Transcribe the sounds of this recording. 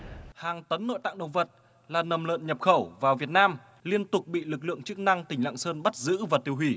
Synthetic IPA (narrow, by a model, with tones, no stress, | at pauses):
haː˨˩ŋt̪ə˨˦nːo̰˧˨t̪a̰ː˧˨ŋɗə̰˧˨wvə˨˩t̚ | laː˨˩nə˨˩mlə̰ː˧˨nɲə˨˩p̚xə˧˩wvaː˨˩wvi˨˩ət̚naː˧m | li˧ənt̪ʊ˨˩k͡p̚ɓḭ˧˨lɨ˨˩k̚lɨ̰˧˨əŋt͡ɕɨ˦˥k̚na˧ŋt̪ï˨˩ŋ̟la̰ː˧˨ŋsəː˧nɓa˦˥t̚zɨ̰˧˥vaː˨˩t̪i˧əwɦwi˧˩